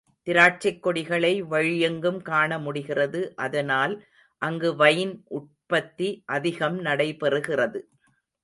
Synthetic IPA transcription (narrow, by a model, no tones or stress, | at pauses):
t̪ɪɾaːʈ̚t͡ʃɐkːɔɽɪɣɐɭɐɪʋɐɻɪjɐŋɡɯmkaːɳɐmʊɽɪɣɪrɐðɯʔɐðɐnaːl | ʔɐŋɡɯʋɐjnʔʊʈ̚pɐt̪ːiʔɐðɪɣɐmnɐɽɐɪpɛrɯɣɪrɐðɯ